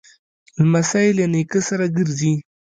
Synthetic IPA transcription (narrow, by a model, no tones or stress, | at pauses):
ləmasajlanekəsaɾaɡəɾzi